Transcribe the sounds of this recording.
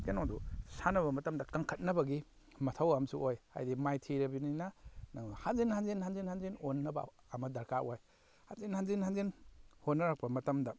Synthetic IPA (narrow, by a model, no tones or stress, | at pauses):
kenodusanɐβɐmɐtɐmdɐkaŋkʰɐt̚nɐbɐɡi | mɐtʰɐwamsuʔojha̰jdimajtʰiɾɐbininɐnɐhanzinhanzenhanzinhanzenonːɐbɐ̰ː | mɐdɐɾkaʔwaj | ha̰nzenhanzinhanzenhotnɐɾak̚pɐmɐtɐmdɐ